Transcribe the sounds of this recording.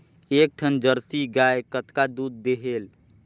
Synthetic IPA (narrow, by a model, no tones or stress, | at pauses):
eːk̚ʈʰənd͡ʒəɾsiɡaekət̪kad̪uːd̪̚ːeɦeːl